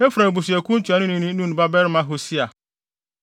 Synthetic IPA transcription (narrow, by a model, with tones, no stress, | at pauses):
e˦fu˨ɾã˨bu˨si˨ɛ˨kʰũ˦n̩˦tʰᶣa˨nʊ̃˦nĩ˦nĩ˦nũ˦ñ˨ba˦bɛ˦ɾɪ˦mã˦ɦo˨si˦a˨